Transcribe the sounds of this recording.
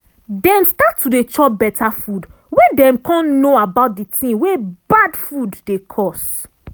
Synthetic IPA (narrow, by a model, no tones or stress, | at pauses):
dɛ̃mstatʰːudet͡ʃɔbɛtʰafud | wedɛ̃mkɔ̃nnoabaʊt̚ditĩŋwebadfudːekʰɔs